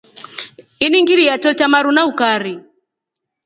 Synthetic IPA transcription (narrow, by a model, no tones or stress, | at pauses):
iniŋɡiɾijat͡ʃɔt͡ʃamaɾunaukaɾi